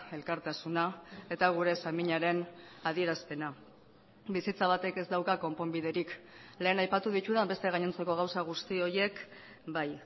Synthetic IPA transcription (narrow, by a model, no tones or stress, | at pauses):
e̞lkaɾt̪asunae̞t̪aɣ̞uɾe̞samiɲaɾe̞nað̞ie̞ɾaspe̞na | bisit͡saβ̞at̪e̞ke̞zd̪awkako̞mpo̞mbiðe̞ɾikle̞ːnajpat̪uð̞it̪uðambest̪eɣ̞aɲent͡se̞ko̞ɣ̞awsaɣ̞ust̪io̞ɾje̞k | baj